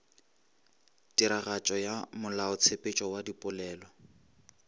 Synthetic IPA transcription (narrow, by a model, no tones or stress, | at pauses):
tiɾaɣat͡ʃʼɔjamʊlaʊt͡sʰepʼet͡ʃʼɔwadipʼʊlɛːlɔ